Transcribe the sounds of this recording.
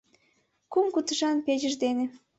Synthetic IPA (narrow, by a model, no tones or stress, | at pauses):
kumkut̪əʃɑnpeʑəʒd̪ene